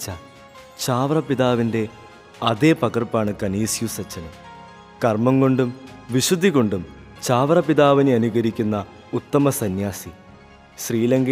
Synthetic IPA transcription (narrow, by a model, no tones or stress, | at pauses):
t͡ɕːɐ | t͡ɕaːʋrɐpiðaːʋinde̞ | ɐðepɐɣɐrpaːɳɨkɐniːsjusɐt͡ɕːɐnɐm | kɐrmɐŋko̞ɳɖumʋiɕud̪ʱːiɣo̞ɳɖum | t͡ɕaːʋrɐpiðaːʋineɐnuɣɐɾikʲːunːɐ | ut̪ːɐmɐsɐnjaːsi | ɕriːlɐŋɡɐ